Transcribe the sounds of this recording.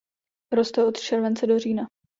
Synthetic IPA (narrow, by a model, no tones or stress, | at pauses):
ɾo̞st̪ɛʔo̞t̪t͡ʃɛɾvɛnt͡sɛdo̞riːna